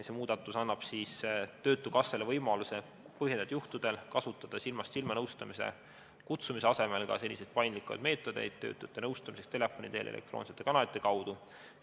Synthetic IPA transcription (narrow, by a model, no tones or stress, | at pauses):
se̞ːmuːd̪̥ɑt̪ːˑusɑnːɑb̥siːst̪ø̞ːt̪ːˑukɑsːelevɤjmɑluse̞ | pɤɦjend̪ed̪̥juht̪ud̪̥e̞lkɑsut̪ːˑɑd̪̥ɑsilmɑst̪silmɑnɤwst̪ɑmisḛ | kut̪sumiseɑse̞me̞lɡ̥ɑ̰se̞lʲːise̞jd̪̚pɑjnlikːˑɑ̰jd̪̥me̞ːt̪ːˑo̞d̪̥e̞̰jd̪̥̚t̪ø̞̰ːt̪ːˑut̪ːˑenɤwst̪ɑmisekst̪e̞le̞fːˑo̞nʲḭd̪e̞ːlʔḛlḛkt̪ro̰ːnset̪ːˑe̞kɑnɑlit̪ːˑe̞kɑwd̪̥u